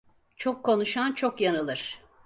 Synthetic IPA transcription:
t͡ʃʰokʰːo̞nuʃant͡ʃʰokjanɯlˠɯɾ̥

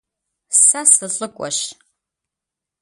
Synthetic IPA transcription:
sasɨɬʼɨkʷʼɔ̰ʃ

